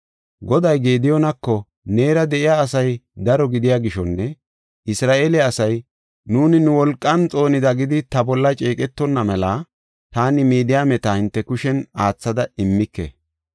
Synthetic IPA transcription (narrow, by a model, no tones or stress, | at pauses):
ɡɔd̪ɐjɡeːd̪ɪjɔnɐkːɔ | neːɾɐd̪ɛʔɪjaːsɐjd̪ɐɾɔɡɪd̪ɪjaːɡɪʃɔnːɛ | ʔɪsɾaːʔeːlɛɐsɐj | nuːnɪnʊwɔlkʼːɐnt͡sʼo̞ːnɪd̪ɐɡɪd̪ɪt̪ɐbɔlːɐt͡ʃʼeːkʼɛt̪ːɔnːɐmɛla | t̪aːnɪmiːd̪ɪjamɛt̪ahɪnt̪ːɛkʊʃɛnaːt͡sːɐd̪ɐɪmːɪkːɛ̰